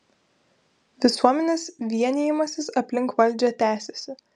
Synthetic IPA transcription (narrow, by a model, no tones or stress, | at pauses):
ʋʲɪsuɔmʲɛnʲeːsʋʲiɛnʲejɪmɐsʲɪsɐpʲlʲɪŋkʋɐlʲˑd͡ʒʲɛt̪ʲæːsʲɛsʲɪ